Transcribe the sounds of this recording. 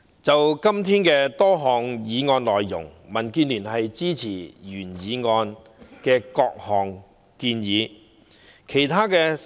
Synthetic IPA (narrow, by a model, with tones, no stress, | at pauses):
t͡sɐ˨wkɐ˥mt̪ʰiː˥nkɛː˧t̪ɔː˥ɦɔː˨ŋjiː˨˧ŋɔː˧nlɔː˨jjʊ̰˨˩ŋmɐ˨˩nkyː˧nlyː˨˩nɦɐ˨jt͡siː˥t͡sʰiː˨˩jyː˨˩njiː˨˥ŋɔː˧n | kɛː˧kɔː˧k̚hɔː˨ŋ | kiː˧njiː˨˧˦ | kʰe˨˩jt̪ʰaː˥kɛː˧